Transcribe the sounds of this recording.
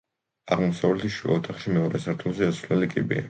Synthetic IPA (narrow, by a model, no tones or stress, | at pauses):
aʁmɔsavlɛt̪ʰiʃua̰ɔt̪ʰaχʃimɛɔɾɛsaɾt̪ʰumˠzɛasɾnɛlikʼibḭa̰